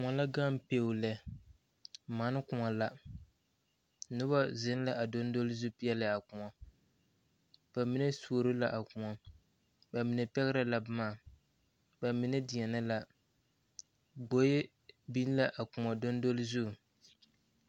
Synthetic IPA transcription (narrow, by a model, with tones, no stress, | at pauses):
kʊ˨ŋɔ˨la˦ɡa˦m˨pe˨lɛ˨ | ma˨˦nɪ˦kʊ˨ŋa˨la˦ | nʊ˦ba˦zɪ˦n˦la˦ʔa˨do˦n˦do˦lɪ˦zu˦˨pi˦ɛ˦lɪ˨a˨kʊ˨ɔ˨ | b̥a˨mi˦nɛ˦su˦o˨ɾɪ˦la˦ʔa˨kʊ˨ŋɔ˨ | ba˨mi˨nɛ˨pɛ˦ɣɪ˦ɾa˨la˨bmaː˦˨ | ba˨mi˨nɛ˦dɪ˨ɛ˨na˦la˦ | ɡo˨˦je˦ | bi˦n˦la˦ʔa˨kʊ˨ŋa˨do˦n˦do˦lzu˦˨